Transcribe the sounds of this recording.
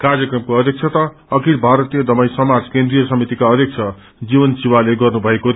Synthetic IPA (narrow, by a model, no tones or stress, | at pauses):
karjʌkrʌmkoʌd̪ʱjʌk̚t͡sʰʌt̪ʌ | ʌkʰiɽbʱaɾʌt̪ijʌd̪ʌmʌj̃sʌmad͡zkend̪rijʌsʌmit̪ikaʌd̪ʱjʌk̚t͡sʰʌ | d͡zibʌnsiwaleɡʌrnubʱʌeko